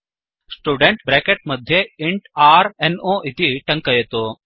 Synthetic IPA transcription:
sʈuːɖeɳʈbɾækeʈ̚məd̪ʱjeiɳʈaɾenoʔit̪iʈɐŋkəjet̪o

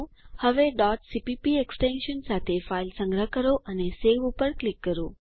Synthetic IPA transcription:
həʋeɖɔʈsipipieksʈẽnʃənsat̪ʰefailsə̃ŋɡɾəɦkəɾoʔəneseʋupəɾklikːəɾo

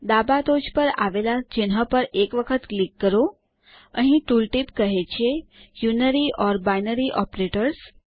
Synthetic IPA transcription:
d̪abad̪od͡ʒpəɾa̰ʋelat͡ʃɪnɦəpəɾekʋəkʰət̪klikːəɾo | əɦĩʈulʈipkəɦet͡ʃʰejunəɾiʔɔɾbajnəɾiʔɔpɾeʈəɾs

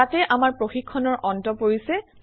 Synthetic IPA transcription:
atɛʔamaɹpɹoxikʰːɔnɔɹʔɔntɔpoɹisɛ

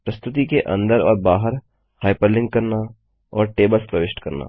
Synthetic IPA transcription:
pɾɐst̪ʊt̪̬ikeʔɐ̰̃nd̪əɾɔːɾbaːɦəɾ | haːɪpəɾlɪ̃ŋɡ̚kɐɾna | ɔːɾʈeːbəlspɾɐʋɪʃʈkɐɾna̰ː

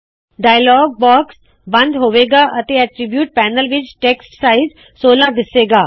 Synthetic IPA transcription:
ɖaːjəlɔːɡ̚bɔːks | bɐ̃nd̪ɦoːʋeːɡaːʔɐt̪eɛːʈɾɪbjuːʈ̚pɛːnəlʋɪt͡ʃʈeːksʈsaːɪz | soːlãd̪ɪseːɡaː

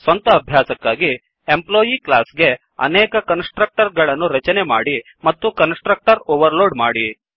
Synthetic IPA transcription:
sʋɐnt̪ɐːbʱjaːsɐkːaːɡi | emploːjiklaːsɡe̞ | ɐ̰nɛːkɐkɐnsʈɾɐk̚ʈɐɾɡɐɭɐnːuɾɐt͡ʃɐnemaːɽi | mɐt̪ːukɐnsʈɾɐk̚ʈɐɾoːʋɐɾloːɖmaːɽi

